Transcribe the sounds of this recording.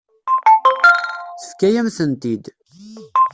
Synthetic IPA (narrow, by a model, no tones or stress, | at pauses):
θəfkːæjæmθənt̪id̪